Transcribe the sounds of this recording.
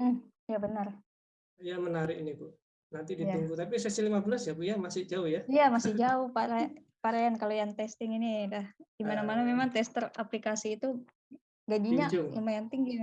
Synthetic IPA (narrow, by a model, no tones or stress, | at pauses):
jabənər | jamənaɾɪkinipʊ | nant̪idij̪imbut̪apisɛsilimabəlasjapujamasɪhd͡ʒaʊhjaijamasɪhd͡ʒaʊhpaɾa | paɾajankalojaŋt̪ɛst̪ɪŋinidahd̥imanamanamemaŋt̪ɛst̪əra̰plikasiːt̪u | ɡad͡ʒiɲaʔʊŋjamajaŋt̪iŋɡi